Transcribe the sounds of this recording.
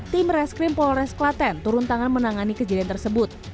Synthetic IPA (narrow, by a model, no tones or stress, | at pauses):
t̪ɪmrɛskɾimpɔlɾɛsklat̪ɛnt̪uɾunt̪aŋanmənaŋanikəd͡ʒadiant̪ərsəbʊt̪̚